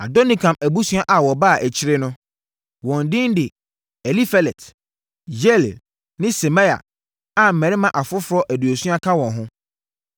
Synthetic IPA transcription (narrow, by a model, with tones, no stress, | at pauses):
a˨dɔ˦nĩ˨kʰã˨mæ˨bu˦sũ˦a˦ʔa˨wɔ˨ba˦˨ʔæ˨t͡ɕʰɪ˦ɾɪ˦nʊ̃˦ | wɔ̃˨n˨dɪ̃˦n˦dɪ˨ | ɛ˨li˦fɛ˨lɛ˨t | d͡ʑɛ˦˨l | nɪ̃˦sɛ˨ma˦ja̰˨ | a˨m̩˨mɛ̃˨ɾɪ˦mã˨ʔa˨fʊ˦fʊ˦ɾɔ˦ʔæ˨du˨o˨su˦a˦kʰã˦wɔ̃˨nɦʊ̃˦